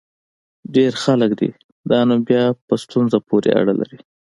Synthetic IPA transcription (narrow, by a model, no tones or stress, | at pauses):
ɖeɾxaləkd̪ḭ | d̪ɑnobjɑpəst̪unzapoɾḛa̰ɽala̰ɾi